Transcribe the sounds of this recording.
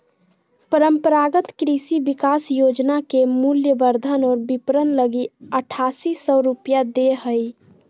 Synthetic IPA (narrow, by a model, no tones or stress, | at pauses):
pəɾəmpəɾaɡət̪kɾisibikasjod͡ʒnakemuljəbəɾd̪ʱənɔːɾbipɾənləɡiəʈʰasisɔɾupjad̪eɦəj